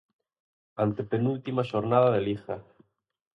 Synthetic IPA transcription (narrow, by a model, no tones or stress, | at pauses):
ant̪epenult̪imaʃoɾnaðaðelixa